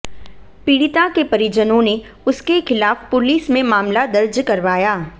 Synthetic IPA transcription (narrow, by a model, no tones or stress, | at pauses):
piːɽɪt̪akepɐɾɪd͡ʒənõne | ʊskexɪlaːfpʊliːsmẽmaːmlad̪ɐɾd͡ʒkɐɾʋaːjaː